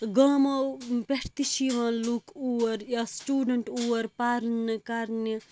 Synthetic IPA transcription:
ɡaːmɐpeʈʰt̪iʃiʋãːlukuwɐɾjasʈuːɖɐɳʈuːɐɾpaːɾnkɐɾni

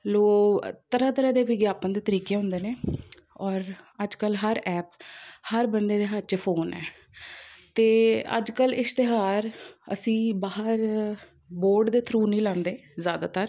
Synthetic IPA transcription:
loːt̪əɾãːt̪əɾɛːd̪eːʋɪɡjaːpənd̪eːt̪əɾiːkeːɦʊ̃nd̪eːneː | ɔːɾəd͡ʒkəlɦəɾʔɛːphəɾbənd̪eːd̪eːɦəɾt͡ʃːpʰoːnɛ̰ː | t̪eːə̰d͡ʒkəlɪst̪eɦaːɾə̰sĩːbaːɦəɾ | boːɾɖd̪eːt̪ʰɾuːnĩːlãːnd̪eːzjaːd̪a̰ːt̪əɾ

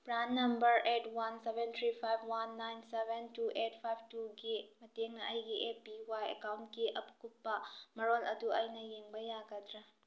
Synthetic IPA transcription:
pɾanːɐmbɐɾʔetwansebɛnt̪ʰɾipʰajb̚ʱwanːajnsebentuʔet̚pʰajb̚tuɡimɐteŋnɐʔɐjɡiʔepiwajɐ̰kawntkiʔɐpkupːɐmɐɾolɐduɐjnɐjeŋbɐjaɡɐd̪ɾa

